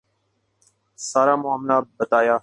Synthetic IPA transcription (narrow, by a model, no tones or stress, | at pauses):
saːɾaːmʊaːmlaːbət̪aːjaː